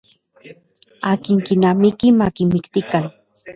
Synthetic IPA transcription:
akɪŋkɪnamɪkɪmakɪmɪkt̪ɪkaŋ

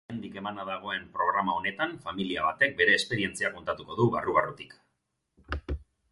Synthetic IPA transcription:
nd̪ike̞manaðaɣ̞o̞e̞mpɾo̞ɣɾamao̞ne̞t̪aɱfamiliaβat̪e̞k̚be̞ɾe̞ːspe̞ɾie̞nt͡siako̞nt̪at̪uko̞ðuβa̰ruɣarut̪i̥k

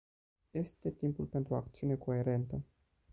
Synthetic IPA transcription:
je̞st̪e̞t̪impulpe̞nt̪ɾuakt̪siuneko̞e̞ɾe̞nt̪ə

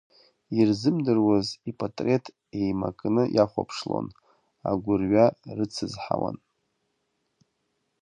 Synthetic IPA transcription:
irzɨmdɨrwazipʼatʼre̞tʰ | e̞jmakʼnɨjʔaχʷapʰʂlo̰n | a̰ɡʷʊrɥarɨt͡sʰɨzħawa̰n

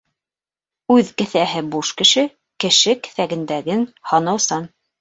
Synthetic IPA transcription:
ʉðkɘ̆θæɦɘbuʃkɘ̆ʃɘ | kɘ̆ʃɘkɘ̥̆θæɡɘ̆nd̪æɡɘnhɑnɑwsɑn

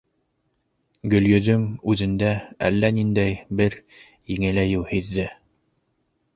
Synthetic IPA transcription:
ɡɵ̆ljɵ̆ðɵmʉðɘ̆nd̪ææ̰lːænind̪æjbɘɾ | jiŋɘ̆læjɘwhiðːɘ

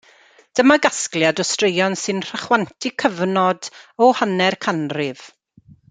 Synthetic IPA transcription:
d̥əmaɡasklˠjadɔstrejɔnsɨnr̥əχwantʰɪkʰəvnɔdɔhanɛrkʰanrɪv̥

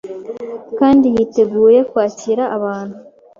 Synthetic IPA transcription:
kaːndijite̞ɡuːje̞kwaːciɾaʔːβaːnhu

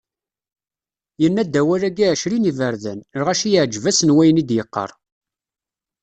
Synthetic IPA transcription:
jənːæd̪ːæwæɾæɡiʕʃɾinivəɾðænəɾʁæʃijəʕd͡ʒvæsənwæjnid̪jəqːə̰ɾˤ

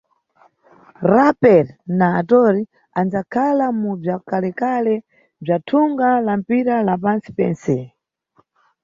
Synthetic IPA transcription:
ɾapɛɾnaːtɔɾi | and͡zakʰalamub͡ʐakalɛkalɛ | b͡ʐatʰuŋɡalam̩piɾalapansi̥pɛ̰nsɛ

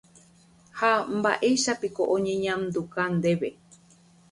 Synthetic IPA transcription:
hamba̰ʔe̞ʃapikoʔõɲẽ̞ɲãmd̪ukand̪e̞βe

